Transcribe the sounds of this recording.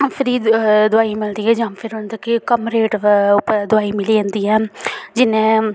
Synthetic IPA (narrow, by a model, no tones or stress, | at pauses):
pʰɪɾiːd̪ʊaːimɪld̪iːɦɛːd͡ʒãːmpʰɪɾɦʊnd̪akekəmɾeːʈpd̪ʊaːiːmɪliãːnd̪iːɛːd͡ʒɪnẽː